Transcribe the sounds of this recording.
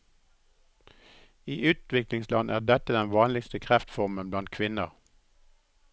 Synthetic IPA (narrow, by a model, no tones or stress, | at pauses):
iːʔʉːt̪ʋɪklɪŋslɑnʔæːʁd̪ɛt̪əd̪ɛnʋɑːnlɪkst̪əkʰʁæft̪fɔʁmənblɑnt̪̚kʰʋɪnə̰ʁ